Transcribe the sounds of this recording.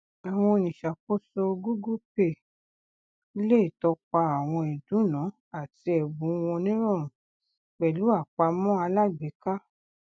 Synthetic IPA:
a˨w̃ɔ̃˧nĩ˨ʃa˨ko˦so˧ɡu˦ɡu˦pe˧˨˦ | le˦˨tɔ˧k͡pa˧a˨w̃ɔ̃˧i˨dũ˨˦nã˨˦ | a˦˨ti˧ɛ˨bũ˨˦w̃ɔ̃˧nĩ˦ɾ̃ɔ̃˦˨ɾ̃ũ˨ | k͡pɛ˨lu˨˦a˦˨k͡pa˧mɔ̃˦a˧la˦ɡ͡be˨˦ka˦

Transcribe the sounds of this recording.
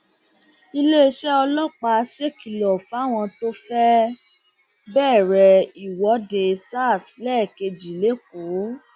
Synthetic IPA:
i˧le˦e˧ʃɛ˦ɔ˧lɔ˦k͡pa˧˦ʃe˦ki˨lɔ˨fa˨˦˨w̃ɔ̃˧to˦fɛ˦ | bɛː˦˨ɾɛ˨i˨wɔ˨˦de˧sa˦˨slɛ˦˨ke˧d͡ʒi˨le˨˦k̚o˨˦

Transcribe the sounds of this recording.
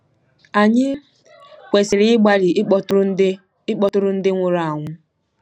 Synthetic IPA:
a˨ɲɪ˦ | kʷe˨sɪ˨ɾɪ˦ɪ˦ɡ͡ba˦ɾɪ˨˦ | ɪ˦k͡pɔ˦tʊ˦ɾʊ˦n̩˦dɪ˦ŋʷʊ˦ɾa˨ŋʷʊ˦

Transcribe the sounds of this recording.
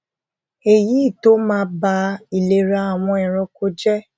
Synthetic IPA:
e˨ji˨˦i˦˨to˦mãː˦ba˧i˨le˨ɾa˧a˨w̃ɔ̃˧ɛ̃˨ɾ̃ɔ̃˨˧ko˧˦d͡ʒɛ˦

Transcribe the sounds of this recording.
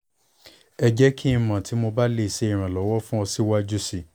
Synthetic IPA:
ɛ˧d͡ʒɛ˦kʰĩ˦˧mã˨tʰi˨˦mo˧ba˦le˦˨se˧i˨ɾ̃ã˨lɔ˨˦wɔ˦fũ˦ɔ˧si˦wa˦d͡ʒu˦si˧˨

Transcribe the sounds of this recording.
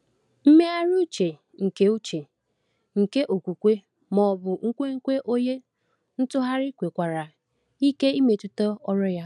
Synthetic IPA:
m̩˦me˦a˦ɾu˦t͡ʃe˨ | ŋ̩˨ke˦u˦t͡ʃe˨ | ŋ̩˨ke˦ʔo˨kʷu˨kʷe˦ | mɔ˨bʊ˨ŋ̩˦kʷe˦ŋ̩˦kʷe˦ʔo˦je˦ | n̩˦tʊ˦ɦa˦ɾɪ˦kʷe˨kʷa˨ɾa˨ | i˦ke˦i˦me˨tʊ˦to˦ɔ˦ɾɔ˦ja˦

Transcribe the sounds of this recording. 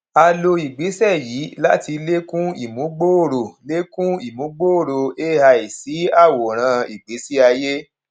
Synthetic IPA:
a˧lo˧i˨ɡ͡be˨˦sɛ˦˨ji˨˦la˦ti˧le˦kũ˦ḭ˨mũ˨˦ɡ͡bo˦o˦˨ɾo˨le˦kũ˦i˦˨mũ˨˦ɡ͡bo˦o˦˨ɾo˨e˦ha˧i˨si˨˦a˦˨wo˨ɾ̃ã˧i˨ɡ͡be˨˦si˦a˧je˦

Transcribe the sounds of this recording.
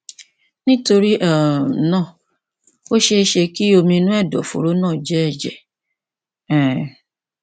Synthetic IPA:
nĩ˦to˧ɾi˦ʔa˦˨˦nãː˦˨ | o˦ʃe˧ʃe˧ki˦o˧mĩ˧nũ˦ɛ˦˨dɔ̰˨fo̰˨ɾo˨˦nãː˦˨d͡ʒɛ˨˦ɛ˦˨d͡ʒɛ˨ | ɛ̃˨

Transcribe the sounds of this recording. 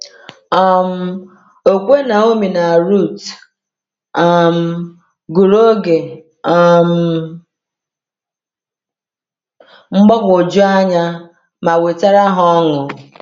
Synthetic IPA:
a˦˨m̩˦ | o˨kʷe˦na˨o˦mi˨na˨ɾu˦˨t | a˦˨m̩˦ | ɡu˨ɾo˦ɡe˨ | ɔ˦m̩˦ | ŋ͡m̩˦ɡ͡bɔ˦kʊ˨d͡ʒʊ˦a˦ɲa˦ | ma˨we˨ta˦ɾa˦ɦɔ˦ŋʊ˨

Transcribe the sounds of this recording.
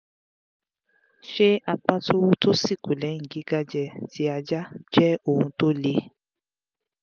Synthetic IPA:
ʃe˦a˧k͡pa˦tʰo˦wu˦to˦si˦˨ku˨lɛ˨˦ŋ̩˨ɡi˨˦ɡa˦d͡ʒɛ˧tʰi˨˦a˧d͡ʒa˦d͡ʒɛ˦o˦˨hũ˧to˦le˦

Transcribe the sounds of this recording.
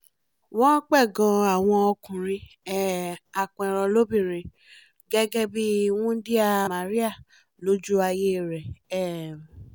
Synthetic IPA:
w̃ɔ̃˦k͡pɛ˦˨ɡɔ̃˧a˨w̃ɔ̃˧ɔ˧kũ˨ɾ̃ĩ˧ɛ˦˨a˨kɛ̃˨ɾ̃ɔ̃˧lo˦bĩ˦˨ɾ̃ĩ˧ | ɡɛ˦ɡɛ˦bi˦wũ˦di˦a˦˨mã˨ɾi˦a˦˨ | lo˨˦d͡ʒu˦a˧je˦˨ɾɛ˨ɛ˦˨

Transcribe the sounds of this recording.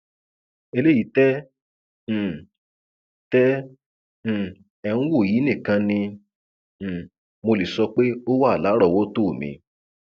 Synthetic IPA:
e˧le˦ji˨˦tɛ̃˦˨ | tɛ̃˦˨ | ɛ˧nũ˦wo˦˨ji˨˦nĩ˦˨kã˧nĩ˧˨ | mo˧le˨sɔ˧k͡pe˦o˦wa˦˨la˨˦ɾɔ˦˨wo˦to˦˨mḭ̃˨˧

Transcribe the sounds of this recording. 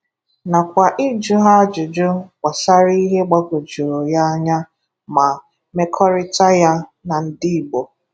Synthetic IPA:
na˨kʷa˨ʔɪ˦d͡ʒʊ˦ɦa˦d͡ʒʊ˨d͡ʒʊ˦kʷa˨sa˦ɾi˦ɦe˦ɡ͡ba˦ɡo˨d͡ʒu˨ɾo˨ja˦a˦ɲa˦ | ma˨ | me˦kʰɔ˦ɾɪ˦ta˦ja˦na˨n̩˦di˦i˨ɡ͡bo˨

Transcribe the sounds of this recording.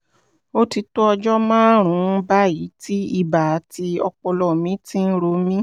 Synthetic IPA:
o˦ti˧to˦ɔ˧d͡ʒɔ˦mãː˦ɾ̃ũ˨˦ba˦ji˨˦ti˦i˧ba˨˧˦ti˧ɔ˧k͡pɔ˧lɔ˧˨mĩ˦tĩ˦n̩˦ɾo˧mĩ˦

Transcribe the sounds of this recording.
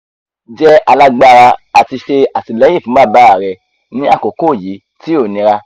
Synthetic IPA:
d͡ʒɛ˦a˧la˧ɡ͡ba˧˨˧ɾa˧a˨ti˧ʃe˧a˨ti˧lɛ̃˨˦ĩ˦˨fĩ˨˦a˦˨ba˦a˨ɾɛ˧ | nĩ˦a˦˨ko˨ko˦˨ji˨˦ | ti˦o˦˨nĩ˧ɾa˧

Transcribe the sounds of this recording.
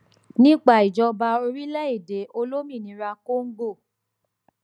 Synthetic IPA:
nĩ˦k͡pa˦˨i˨d͡ʒɔ˧ba˧o˧ɾi˦lɛ˦i˦˨de˨˦o˧lo˦mĩ˦˨nĩ˨˦ɾa˧ko˦ŋ̩˦ɡo˦˨

